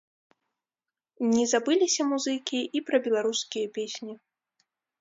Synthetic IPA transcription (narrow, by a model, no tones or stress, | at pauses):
nʲɛzabɨlʲisʲɐmuzɨkʲiipɾɐbʲɛlˠaɾuskʲijɐpʲesʲnʲi